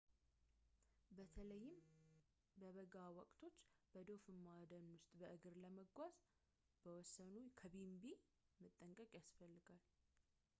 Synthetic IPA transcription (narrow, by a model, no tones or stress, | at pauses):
bət̪ʰələjːɪm | bəβəɡawɔkʼt̪ʰo̞t͡ʃːb̥əd̪o̞fɨmːad̪ənwʊst̪ʼbəʔɨɡɨɾləməɡʷaz | b̥əwɔsːənukʰəbimbi | mɨt̪ʼːəŋkʼəkʼjasfəlːɨɡal